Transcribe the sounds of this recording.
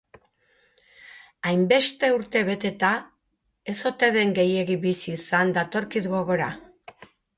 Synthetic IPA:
ajmbe̞st̪e̞uɾt̪e̞βe̞t̪e̞t̪a | e̞so̞t̪e̞ðe̞ŋɡe̞je̞ɣiβisisand̪at̪o̞ɾkiðɣo̞ɣo̞ɾa

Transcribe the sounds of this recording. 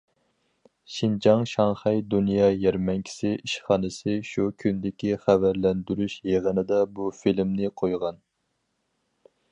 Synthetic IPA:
ʃind͡ʒɑŋʃɑŋχɛjd̪unjɑjɛɾmɛŋkʲʰi̥sɪʔiʃχɑːnɨsɪʃukʲʰynd̪ɪkʲiχævæɾlɛnd̪yɾyʃjeʁənɨd̪ɑbufilmnɪqʰojʁɑn

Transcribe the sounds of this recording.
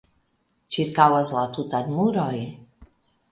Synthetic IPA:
t͡ʃiɾkawazlat̪ut̪ad̪muɾɔj

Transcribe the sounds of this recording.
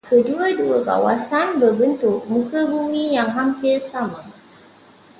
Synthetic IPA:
kʰəduwaduwəka̰wasanbəbɪntomukəbumijaŋɦampɛɾsama

